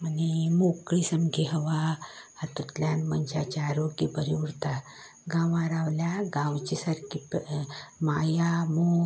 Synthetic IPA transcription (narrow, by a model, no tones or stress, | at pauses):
mənimokɭisəmɡeɦəʋaat̪ut̪ljanməɲd͡ʑat͡ɕaɾokibəɾiuɾt̪a | ɡãʋaɾaʋljaɡãwt͡ɕisaɾkip | majamo